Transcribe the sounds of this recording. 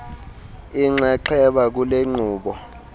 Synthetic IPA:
iŋ͡ǀɛǃʰɛɓak̬uleŋ͡ǀuːɓɔ

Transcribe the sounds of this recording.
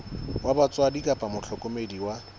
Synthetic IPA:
wabat͡sʼwadikʼapʼamʊɬʰɔkʼomediwa

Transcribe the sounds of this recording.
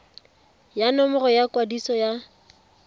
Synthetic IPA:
janɔmʊrɔjakwadisɔja

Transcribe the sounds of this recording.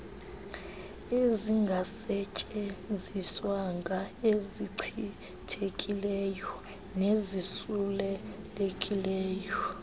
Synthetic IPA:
eziŋɡʱasɛt͡ʃʼeziswaŋɡʱaeziǀʰi | tʰekʼilɛjɔ | nezisulɛlekʼilɛːjɔ

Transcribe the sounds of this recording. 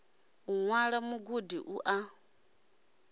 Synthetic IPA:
uŋwaɺamuɡudiʔuʔa

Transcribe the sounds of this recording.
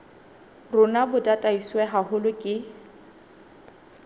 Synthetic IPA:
rʊnabʊtʼatʼaiswɛɦahʊlʊkʼɪ

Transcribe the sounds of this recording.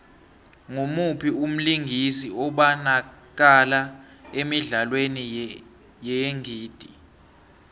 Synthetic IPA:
ŋomupʰium̩liŋʱisiɔɓanak̬ala | emiɮalweni | jɛjeŋiːd̥ʱi

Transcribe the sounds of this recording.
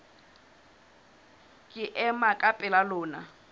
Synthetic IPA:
kʼɪʔɛmakʼapʼɛlalʊːna

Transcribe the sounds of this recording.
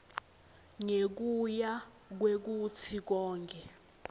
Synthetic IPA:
ŋek̬uja | k̬wek̬utʰik̬ɔːŋkʰʼɛ

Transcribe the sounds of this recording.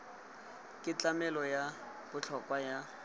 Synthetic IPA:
kʼɪt͡ɬamɛlɔja | bʊt͡ɬʰɔkʼwaja

